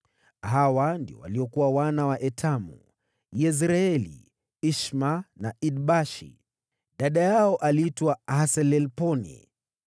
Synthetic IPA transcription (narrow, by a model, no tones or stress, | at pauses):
hawandiɔ̰wa̰liɔkuwawanawaʔɛtʰamṵ | jɛs̬ɾaɛlḭ | iʃmanaʔid̚ɓaʃḭ | ɗaɗajaɔʔaliitwahasɛlɛlpɔnḭ